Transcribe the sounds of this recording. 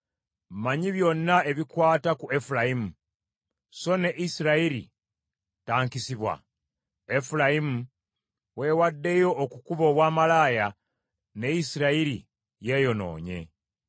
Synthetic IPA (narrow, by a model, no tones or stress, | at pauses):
maɲiβjo̞nːae̞βikwaːtakue̞fulaimu | so̞ne̞ʔisiɾaiɾḭ | taːŋkisiβwa̰ | e̞fulaimu | we̞ːwadːe̞jo̞ːkukuβo̞ːβwaːmalaːja | ne̞isiɾaiɾḭ | je̞jo̞no̞̰ːɲe̞̰